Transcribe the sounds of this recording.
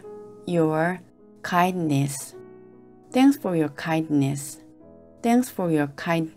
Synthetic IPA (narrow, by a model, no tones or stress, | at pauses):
jɔɹ | kʰãɪ̃nnɛs | t̪ɛ̃ŋksfɔɹjɔɹkʰãɪ̃ndnɛs | t̪ɛ̃ŋksfɔɹjɔɹkʰãɪ̃nd